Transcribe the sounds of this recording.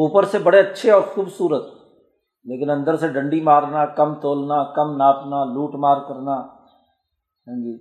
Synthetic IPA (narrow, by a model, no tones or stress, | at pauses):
uːpəɾsebəɽeɐtːʃʰeɔːɾxuːbsuːɾət̪ | leːkɪnə̃nd̪əɾseɖə̃ɳɖimaːɾnaːkəmt̪oːlnaːkəmnaːʈnaːluːʈmaːɾkəɾnaː | ɦɛ̃ːd͡ʒiː